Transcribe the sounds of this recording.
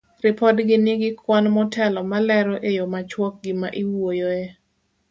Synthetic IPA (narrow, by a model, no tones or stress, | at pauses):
rɪpɔdɡɪniɡɪkwanmɔtʰɛlɔmalɛɾɔʔejɔmat͡ʃwɔk̚ɡɪmaʔiwojoe